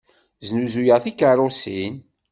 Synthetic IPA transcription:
znuzujəʁθikːərˤosin

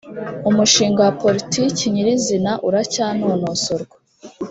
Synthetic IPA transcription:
umuʃiːŋɡowapo̞ɾitiːciɲiɾizinaʔuɾacaːnonosoɾɡwḁ

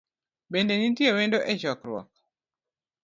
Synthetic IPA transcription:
bendenintjewendoʔɛt͡ʃɔkɾwɔ̰k̚

